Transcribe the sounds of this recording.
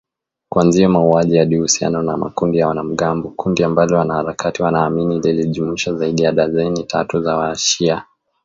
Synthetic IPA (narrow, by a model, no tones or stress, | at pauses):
kwanziɔmauaʄijaɗihusia̰nɔnama̰kundijawanam̩ɠambɔkundiambalɔwanahaɾakʰatiwanaːminililiʄumiʃazaiɗijaɗazɛnitʰa̰tuzawaʃia